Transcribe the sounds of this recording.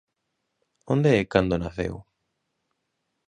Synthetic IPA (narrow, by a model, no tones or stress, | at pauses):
õnd̪eekand̪onaθḛw